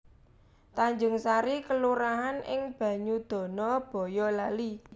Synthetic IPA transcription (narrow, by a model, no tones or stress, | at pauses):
t̪aɲd͡ʒʊŋsaɾikəluɾaɦanʔɪ̰ŋb̥ä̤ɲud̪̥ɔ̤nɔb̥ɔ̤jɔlali